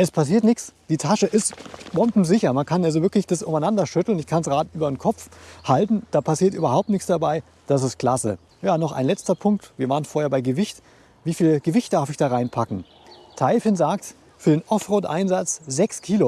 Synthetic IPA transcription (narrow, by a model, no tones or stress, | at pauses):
ʔɛspʰas̬iːɐtnɪçt͡sd̥iːtʰaʃəʔɪstb̥ɔmpm̩zɪçɐmankʰanalzovɪɐklɪçd̥asʔʊ̰maɪnandɐʃʏtl̩nɪçkʰansʁ̥aːdʔyːbɐnkʰɔpp͡fhaltn̩d̥aːpʰasiːɐtʔyːbɐɦaʊp̚tnɪçt͡ssd̥abaɪ | d̥as̬ɪst̚kl̥asə̰ | jaːnɔχʔa̰ɪnlɛt͡stɐpʰʊŋk̚tv̥iːɐvaːʁənfoːɐheɐbaɪɡəvɪçt | viːfiːlɡ̥əvɪçt̚d̥aɐfɪçd̥aːʁaɪnpʰakŋ̩ | tʰaɪfɪnzaːk̚t | fyːɐdeːnʔɔfʁoːtʔa̰ɪnzat͡sz̥ɛkskʰiːlo